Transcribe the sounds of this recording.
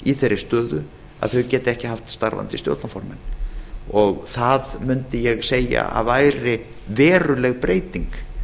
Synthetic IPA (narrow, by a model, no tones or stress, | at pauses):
iθeɾːɪ̥st̪œːðʏ | a̰ðθœcɛːt̪ɪɛhcɪɦaft̪st̪a̰ɾva̰nt̪ɪst̪jo̰wt̪nafɔɾmɛnː | ɔɣθaðmʏnt̪ɪjɛɣseːja̰a̰vaːjɾɪ | vɛːɾʏlɛɣpɾeːjt̪iŋk